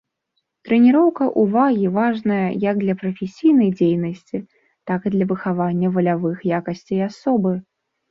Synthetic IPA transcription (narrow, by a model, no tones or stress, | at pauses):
t̪ɾɛnʲiɾɔwkɐʔuvaɣʲivaʐnɐjɐjɐɡ̚d̪lʲɐpɾɐfʲesʲijnɐjd͡zʲejnɐsʲt͡sʲi | t̪akɨd̪lʲɐvɨxavanʲːɐvɐlʲavɨxjakɐsʲt͡sʲeiasɔbɨ